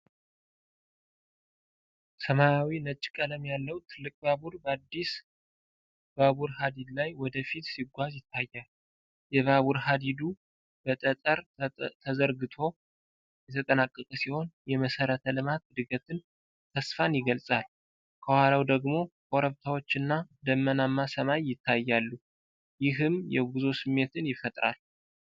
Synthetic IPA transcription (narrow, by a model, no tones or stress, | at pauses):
səmajawinət͡ʃʼːkʼələmjalːəwt̪ʰɨlːɨkʼbabuɾbəad̪ːis | baβuɾɦad̪id̪lajwɔd̪əfit̪siɡʷazjɪt̪ʰːajːal | jɛβaβuɾɦad̪id̪u | bət̪ʼət̪ʼəɾt̪ʰəzəɾɡɨt̪ʰo̞ | jɛt̪ʰət̪ʼənakʼːəkʼəsiho̞njɛməsəɾət̪ʰəlɨmat̪̚d̪ɨɡət̪ɨn | t̪ʰəsfanjɪɡəlsʼal | kʰəwalawd̪əɡmo̞kʼoɾəβt̪ʰawo̞t͡ʃːɨnːad̪əmːənamːasəmajːɪt̪ʰːajːalːu | jɪɦɨmjɛɡuzosɨmːe̞t̪ʰɨnjɪfət̪ʼɾa̰l